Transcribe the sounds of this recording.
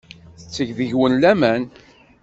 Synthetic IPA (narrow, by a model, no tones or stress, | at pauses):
θt͡sːəʝðəʝwənlæmæn